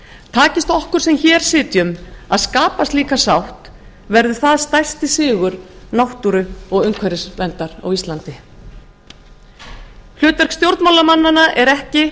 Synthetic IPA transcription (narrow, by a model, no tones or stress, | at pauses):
t̪ʰaːcɪst̪ɔhkʏɾ̥sɛmçɛːɾ̥sɪːt̪jʏmaðskaːpast̪liːkasawht̪ | vɛɾðʏθaðst̪ajr̥st̪ɪsɪːɣʏɾ̥nawht̪uɾʏɔɣʏŋkʰvɛɾɪsvɛnt̪aɾa̰wist̪lant̪ɪ | l̥ʏːt̪vɛɾ̥kst̪jowɾt̪mawlamanːanːaʔɛɾɛhcɪ